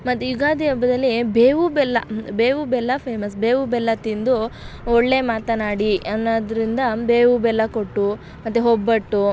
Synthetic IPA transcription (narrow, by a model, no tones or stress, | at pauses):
mɐt̪ːujuɡaːd̪iɐbɐd̪ɐlːibeːʋubɛlːɐbeːʋubɛlːɐpʰeːmɐs̬beːʋubɛlːɐt̪ind̪uɔɭːe̞maːt̪ɐnaːɽiɐnːɐd̪ɾind̪ɐbeːʋubɛlːɐkoʈːu | mɐt̪ːeɦɔbːɐʈːu